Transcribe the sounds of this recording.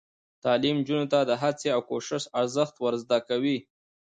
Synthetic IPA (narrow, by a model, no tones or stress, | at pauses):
t̪ɑlimd͡ʒunot̪ad̪əɦat͡seawkoʃɪʃaɾzəxt̪waɾzd̪akawi